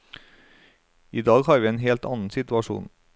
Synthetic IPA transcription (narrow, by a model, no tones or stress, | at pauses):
iːd̪ɑːɡhɑːɾʋiːeːnheːlt̪ɑ̰ːnn̩sɪt̪ʉɑʃṵːn